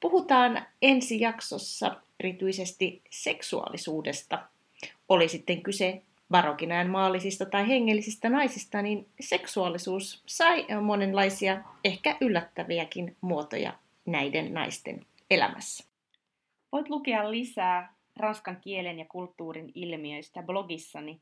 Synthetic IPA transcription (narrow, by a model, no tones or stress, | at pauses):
puɦut̪ɑːne̞nsijɑkso̞sːɑ̰ | e̞ɾit̪yise̞st̪ise̞ksuɑ̰lisuːde̞st̪ɑ | o̞lisit̪ːe̞ŋkyse̞ | ʋɑɾokinɑjemmɑːlːisist̪ɑt̪ɑjɦeŋːe̞lːisist̪ænɑjsist̪ɑninse̞ksuɑlːisuːssɑjmo̞ne̞nlɑjsiɑe̞hkæʔylːæt̪ːæʋiækinmuo̞t̪o̰jɑ̰ | næjde̞nːɑ̰jst̪e̞̰n | e̞læ̰mʔæ̰sːæ̥ | ʋo̞jt̪lukeɑlːisæː | rɑnskɑŋkie̞lenjɑkult̪ːuːɾinilmiøist̪æblo̞ɡisːɑni